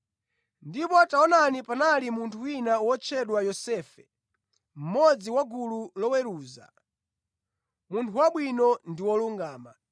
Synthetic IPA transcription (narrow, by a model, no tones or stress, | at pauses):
ndipɔtaɔnanipanalimuntʰuwinawɔt͡ʃʰɛɗwajɔsɛːfɛ | m̩mɔd͡ziwaɡululɔwɛɾuːza̰ | muntʰuwaɓwinɔndiwɔluŋɡaːma